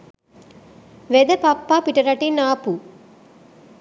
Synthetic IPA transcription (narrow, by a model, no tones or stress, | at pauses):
ʋed̪ɐpɐpːaːpiʈɐɾɐʈinaːpu